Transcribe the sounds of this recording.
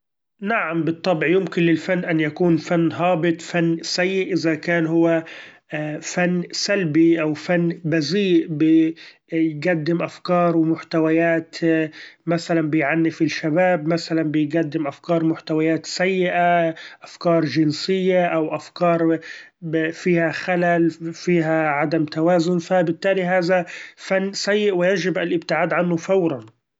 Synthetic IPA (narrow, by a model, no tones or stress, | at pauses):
naʕambɨt̪ˤːɑbʕijʊmkɪnlɪlfanːʔanjakuːnfanːɦɑːbɪt̪ˤfanːsajːɪʔʔɪzakaːnhʊwːa | fanːsalbiʔawfanːbaziːʔbɪ | jɡad̪ːɪmʔafkɑːɾˤwɪmʊħt̪awajaːt̪ | masalanbɪjʕanːɪfɪlʃabaːbmasalanbɪjɡad̪ːɪmʔafkɑːɾˤmʊħt̪awajaːt̪sajːɪʔaʔafkɑːɾˤʒɪnsɪjːaʔawʔafkɑːɾˤ | fiːhaxalalfiːɦaʕad̪amt̪awaːzʊnfabɪt̪ːaːliɦaːðafanːsajːɪʔwɪjad͡ʒɪbʔalʔɪbt̪ɪʕaːd̪ʕanːʊfawɾˤɑn